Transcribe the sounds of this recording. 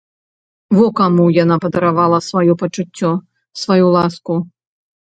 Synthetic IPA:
vɔkamujanapɐd̪ɐɾavalˠɐsvajɔpɐt͡ʂut͡sʲːɔ | svajulˠasku

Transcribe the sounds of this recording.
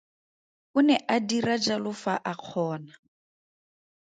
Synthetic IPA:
ʊnɛʔadirad͡ʒalʊfaʔaq͡χʰɔːna

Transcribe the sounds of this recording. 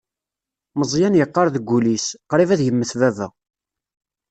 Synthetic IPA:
məzˤjænjəqːɑɾˤðəɡʷːulisqɾˤivæðjəmːəθvævæ̰

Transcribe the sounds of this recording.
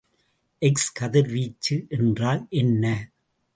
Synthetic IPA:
ʔɛkskɐðɪɾʋiːt͡ʃːɯʔɛndraːlʔɛnːɐ

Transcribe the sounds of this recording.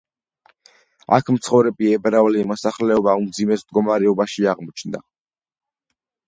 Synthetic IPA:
a̰kʰmt̪sʰχɔvɾɛbiɛbɾavlimɔsaχlɛɔbaumd̪zimɛsmd̪ɡɔmaɾɛɔbaʃiaʁmɔt͡ʃʰnd̪a

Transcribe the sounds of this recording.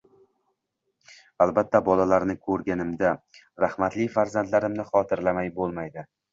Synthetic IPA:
alˠbat̪ʰːabɒlalaɾnɪkʰɵɾɡʲanɪmd̪a | ɾahmat̪lɪfaɾzand̪laɾɪmnɪχɒt̪ʰɪɾlamajbolˠmajd̪ɪ

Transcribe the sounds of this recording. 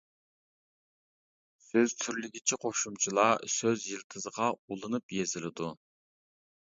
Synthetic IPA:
søz̥t̪ʰyɾlɪɡʲit͡ʃʰiqʰoʃumt͡ʃʰilˠɑsøzjilˠt̪ʰɨzəʁɑulˠɨnɨpjezɪlɪd̪u

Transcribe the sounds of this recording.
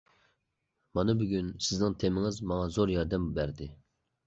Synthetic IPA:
mɑnɨbyɡʲynsɪznɪŋt̪ʰemɪŋɪzmɑŋɑzoɾjɑɾd̪ɛmbæɾd̪ɪ

